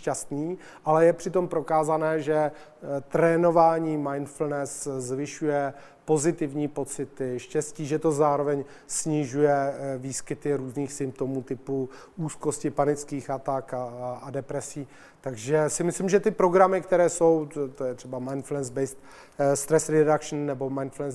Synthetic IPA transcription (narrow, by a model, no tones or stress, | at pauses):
ʃcast̪niː | ʔalɛjɛpr̝̥ɪt̪o̞mpɾo̞kaːzanɛːʒɛt̪ɾɛːno̞vaːɲiːmajnfl̩nɛszvɪʃujɛ | po̞zɪt̪ɪvɲiːpo̞t͡sɪt̪ɪʃcɛsciːʒɛt̪o̞zaːɾo̞vɛɲ | sɲɪʒujɛviːskɪt̪ɪɾuːzniːxsɪmp̚t̪o̞muːt̪ɪpu | ʔuːsko̞scɪpanɪt͡skiːxat̪akaadɛpɾɛsiː | t̪aɡʒɛsɪmɪslimʒɛt̪ɪpɾo̞ɡɾamɪkt̪ɛɾɛːso̞wt̪ojɛt̪r̥ɛbamajnflɛnzbɛjst̪ | st̪ɾɛsɾɛdakʃn̩ːɛbo̞majnflɛns